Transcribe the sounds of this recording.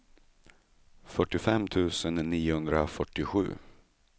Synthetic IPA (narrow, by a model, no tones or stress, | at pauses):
fœʈːɪfɛmːt̪ʰʉ̟ːsənːiːʊhɵnd̪ɾafœʈːɪɧʉ̟ː